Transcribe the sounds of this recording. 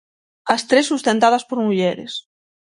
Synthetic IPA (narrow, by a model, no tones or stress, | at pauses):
ɐst̪ɾesːust̪ent̪að̞ɐspoɾmuʎɛɾḛs